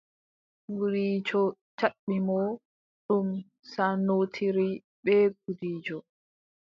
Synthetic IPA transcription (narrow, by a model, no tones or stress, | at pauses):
ɡuɾiːd͡ʒɔ | t͡ʃaɓːimɔ | ɗum | sanoːtʰiɾi | ɓɛɡ̚udiːd͡ʒɔ